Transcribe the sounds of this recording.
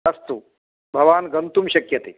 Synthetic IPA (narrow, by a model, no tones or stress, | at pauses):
ɐst̪u | bʱɐʋaːnɡɐnt̪umɕɐkjɐt̪eː